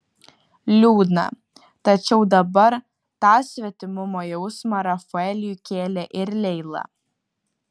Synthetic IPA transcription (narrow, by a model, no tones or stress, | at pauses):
lʲuːd̪nɐ̰ | t̪ɐt͡ʃʲɛʊd̪ɐbɐɾ | t̪ɑːsʲʋʲɛt̪ʲɪmʊmoːjɛʊsmɐɾɐfʊɛlʲjukʲeːlʲɛʔɪɾlʲɛɪlˠɐ̰